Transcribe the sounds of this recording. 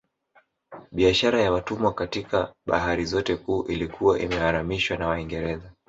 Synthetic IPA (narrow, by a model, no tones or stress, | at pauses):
ɓiaʃaɾajawatumwakatikaɓa̰ɦaɾizɔtɛkuːʔilikuwaʔimɛhaɾamiʃwanawaiŋɡɛɾɛza